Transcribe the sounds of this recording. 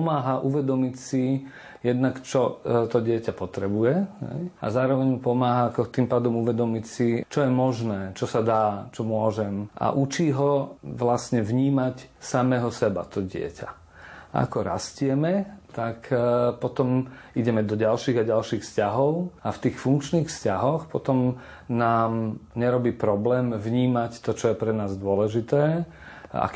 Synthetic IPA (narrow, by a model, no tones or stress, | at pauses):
maːɦaʔuʋɛd̪ɔmicsi | jɛd̪nakt͡ʃɔt̪ɔɟɪɛcapɔt̪ɾɛbujɛɦɛ̰ja̰zaːɾɔʋɛɲmupɔmaːɦakɔt̪impaːd̪ɔmuʋɛd̪ɔmicsit͡ʃɔjɛmɔʒnɛːt͡ʃɔsad̪aːt͡ʃɔmʊɔʒɛmʔa̰ʔut͡ʃiːɦɔʋlasɲɛʋɲiːmacsamɛɦɔsɛba̰t̪ɔɟɪɛ̰ca̰ | ʔa̰kɔɾa̰scɪɛmɛt̪akpɔt̪ɔm | iɟɛmɛd̪ɔɟalʃiːɣaɟalʃiːxfscaɦɔʊaft̪iːxfuŋkt͡ʃniːxfscaɦɔxpɔt̪ɔm | naːmɲɛɾɔbiːpɾɔblɛːmvɲiːmact̪ɔt͡ʃɔjɛpɾɛnaːzd̪ʊɔlɛʒit̪ɛː | a̰k